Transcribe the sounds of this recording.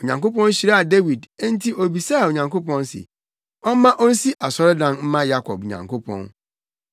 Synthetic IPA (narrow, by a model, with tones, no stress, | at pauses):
o˨ɲã˨ŋko˦pɔ̃˦n˦ɕi˨ɾa˦a˨de˦wi˨dẽ˦n˦tʰi˦o˨bi˨sa˦a˨o˨ɲã˨ŋko˦pɔ̃˦n˦sɪ̰˨ | ɔ˦m˦mã˦ʔɔ˦n̩˦si˦ʔa˨sɔ˦ɾɪ˦dã˦nm̩˦mã˦ja˦kʰɔ̰˨bɲã̰˨ŋkʰo˦pʰɔ̰̃˦n